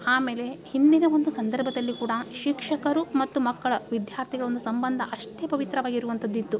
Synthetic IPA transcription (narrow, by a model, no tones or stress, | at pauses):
aːmeːle̞hind̪inɐʋo̞nd̪usɐnd̪ɐɾbʱɐd̪ɐlːikuːɽɐʃikʂɐkɐɾumɐt̪ːumɐkːɐɭɐʋid̪jaːɾt̪ʰiɡɐɭo̞nd̪usɐmbɐnd̪ʱɐʔɐʂʈeːpɐʋit̪ɾɐʋaːɡiɾuʋɐnt̪ʰɐd̪ːint̪u